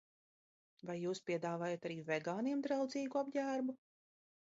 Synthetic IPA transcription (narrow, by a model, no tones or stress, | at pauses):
vajːuːspʲiɛd̪aːvaːjot̪aɾiːvɛɡaːniɛmd̪ɾawd̪ziːɡuabɟæːɾbu